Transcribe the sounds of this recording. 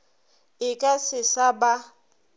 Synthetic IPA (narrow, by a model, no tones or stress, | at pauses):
ɪkʼasɪsaba